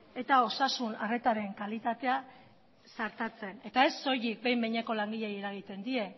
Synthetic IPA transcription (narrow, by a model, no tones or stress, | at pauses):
e̞t̪ao̞sasunare̞t̪aɾe̞ŋkalit̪at̪e̞a | saɾt̪at͡se̞ne̞t̪aeso̞jik̚be̞jmbe̞jɲeko̞laŋɡiʎejeɾaɣ̞it̪e̞nd̪ie̞